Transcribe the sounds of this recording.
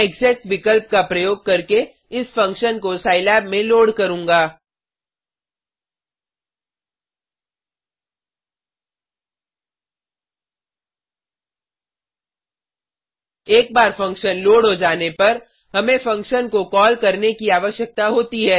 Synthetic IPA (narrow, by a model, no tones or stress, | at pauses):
ɪɡzɛːk̚ʈʋɪkəlp̚kapɾɐjoːɡ̚kɐɾke | ɪsfɐ̃ŋkʃənkosaːɪlɛːbmẽloːɽkɐɾũːŋɡaː | eːk̚baːɾfɐ̃ŋkʃənloːɽɦod͡ʒaːnepɐɾ | ɦɐmẽfɐ̃ŋkʃənkokɔːlkɐɾnekiaːʋəʃjək̚t̪aɦoːt̪iɦɛː